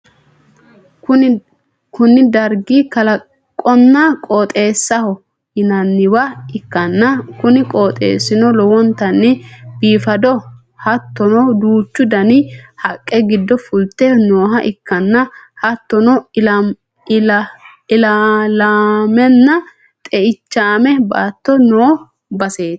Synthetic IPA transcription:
kʊ | kʊnːɪd̪ɐɾɡikɐlɐ | kʼːɔnːɐkʼoːt̪ʼe̞ːsːɐhɔ | hɪnɐnːɪwɐɪkːɐnːɐkʊnɪkʼoːt̪ʼḛːsɪnɔlɔwɔnt̪ɐnːɪbiːfɐd̪ɔ | hɐt̪ːɔnɔd̪uːt͡ʃːʊd̪ɐnɪhɐkʼːɛɡɪd̪ːɔfʊlt̪ːɛnoːɦɐʔɪkːɐnːɐhɐt̪ːɔnɔ | ɪlalamɛnːɐ | t̪ʼɛɪt͡ʃːaːmɛba̰ːt̪ːɔnoː | bɐseːt̪

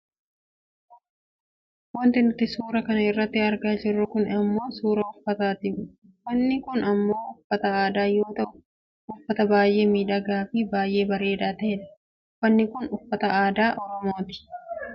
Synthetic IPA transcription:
wɐnt̪ɪnʊt̪ːɪsuːɾɐkɐnɐɪrːɐt̪ːɪɐɾɡaːd͡ʒɪrːʊkʊnɐmːo̞ːsuːɾɐʊfːɐt̪aːt̪ɪʊ | wɐnːɪkʊnɐmːo̞ːʊfːɐt̪ɐaːd̪aːjo̞ːt̪ɐʊ | ʊfːɐt̪ɐbaːjʔe̞ːmiːᶑɐɡaːfɪbaːjʔe̞ːbɐɾe̞ːᶑaːt̪ɐɛᶑɐ̥ | wɐnːɪkʊnʊfːɐt̪ɐʔaːd̪aːʔɔɾɔmo̞ːt̪ɪ̥

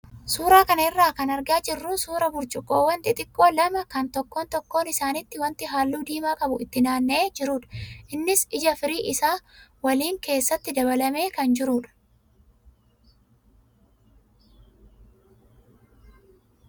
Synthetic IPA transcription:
suːɾaːkɐnɐɪrːaːkɐnɐɾɡaːt͡ʃʼɪrːuːnsuːɾɐbʊɾt͡ʃʼʊkʼo̞ːwːɐnt̪ɪt̪ʼɪkʼːo̞ːlɐmɐkɐnt̪ɔkːo̞ːnt̪ɔkːo̞ːnɪsaːnɪt̪ːɪwɐnt̪ɪɦaːlːuːd̪iːmaːkʼɐbʊɪt̪ːɪnaːnːe̞ːd͡ʒɪɾuːᶑɐ̥ʔɪnːɪsɪd͡ʒɐfɪɾiːʔɪsaːwɐliːŋke̞ːsːɐt̪ːɪd̪ɐbɐlɐme̞ːkɐnd͡ʒɪɾuːᶑɐ̥

